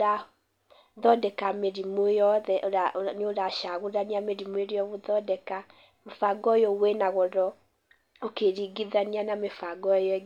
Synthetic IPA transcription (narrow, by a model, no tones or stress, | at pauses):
a | ðɔdɛkameɾimojɔðɛʔɾanoɾaʃaɣoɾaniameɾimweɾeɔβoðɔdɛka | mofaɡɔjɔɣwenaɣɔɾɔ | okeɾiɡiðanianamefaɡɔjɔɛ